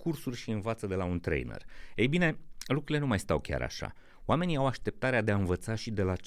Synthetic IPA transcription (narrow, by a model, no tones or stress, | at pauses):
kʰursurʲʃiɨnvat̪səd̪e̞launt̪ɾḛjnḛrejbine̞lukɾuile̞numajst̪a̰wkʲa̰ɾa̰ʃa̰ | oame̞niawaʃt̪e̞p̚t̪aɾead̪e̞aɨnvət̪saʃid̪e̞lat͡ʃ